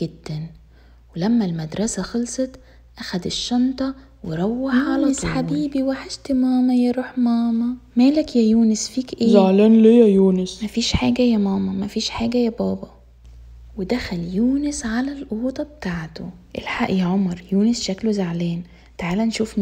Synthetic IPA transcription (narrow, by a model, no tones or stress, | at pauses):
ɡed̪̥ːæn | welæmːælmæd̪ɾˤɑsæxɑlsˤɑt̪ | ʔæxæd̪eʃːɑnt̪ˤɑ | weɾˤɑwːaħʕalɑsħabiːbiweħeʃt̪mæːmɑjæɾˤuːħmæːmɑmæːlækjæjuːnesfiːkʔeːzːaʕlæːnlejæjuːnesmæfiːʃħaːɡæjæmæːmɑmæfiːʃħaːɡæjæbɑːbɑ | wed̪æxæljuːnesʕalælʔuuːt̪ˤɑbet̪aːʕt̪oʔelħaʔjæʕomɑɾˤjuːnesʃæklozaʕlæːn | t̪aʕaːlænʃuːfn